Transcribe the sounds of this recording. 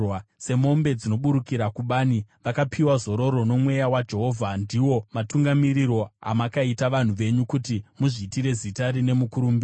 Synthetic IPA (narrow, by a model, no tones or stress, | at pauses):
se̞mo̞mbe̞d͡zino̞ɓuɾukiɾakuɓaːniʋakapʰiwazo̞ɾo̞ɾo̞no̞mwe̞jawad͡ʒe̞ɦo̞vʱandiwo̞matuŋɡamiriɾo̞a̰makaitaʋan̤uʋe̞ɲukutimuʐiːtiɾe̞zitaɾine̞mukuɾuːmbi